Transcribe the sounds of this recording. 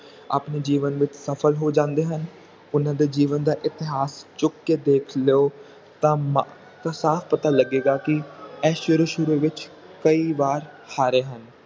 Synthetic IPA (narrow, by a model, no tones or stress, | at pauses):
a̰ːpneːd͡ʒiːʋənʋɪt͡ʃsəpʰəlɦoːd͡ʒãːnd̪eːɦən | ʊnãːd̪eːd͡ʒiːʋənd̪aːʔɪt̪ɪɦaːst͡ʃʊkːeːd̪eːkʰleoː | t̪ãːm | t̪ãːsaːfʰpət̪aːləɡeːɡaːkɪɛːʃʊɾuʃʊɾuʋɪt͡ʃ | kəiːʋaːɾ | haːɾeːɦən